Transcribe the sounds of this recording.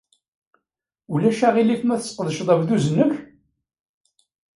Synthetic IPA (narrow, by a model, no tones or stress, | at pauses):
ulæʃæʁilifmæθə̥sqəðəʃðˤɑvðuzənəç